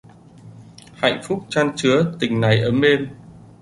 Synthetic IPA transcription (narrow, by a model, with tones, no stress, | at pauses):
ha̰˧˨ŋ̟fʊ˦˥k͡p̚t͡ɕaː˧nt͡ɕɨ˨˦ət̪ï˨˩ŋ̟na˨˩jʔəː˧˩me˧m